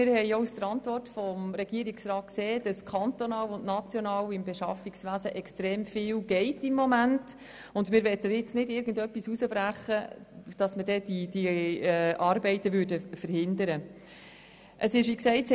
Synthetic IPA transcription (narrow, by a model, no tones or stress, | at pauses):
ɪɾhɛjousd̥̪əɾɑntʋɔrtfɔmɾɛɡ̥iːəɾiksrɑːt̚kseːd̥ɑskʰɑnt̪onɑːwʊndnɑt͡sjɔnɑːwɪmbeʃɑ̰fiksʋæːzəʔɛkstɾeːmfɪːlɡ̥ɛɪtɪmːɔmænt | ʊndmɪːɾʋɛtːəɪt͡snɪdɪɾɡən̩dœpːisusəbɾæχːəd̥ɑsmədɛdid̥i | ʔɑːɾbɛɪt̪əʋʏːɾdəfəɾhɪndəɾə | ʔəsɪʃʋiksɛɪts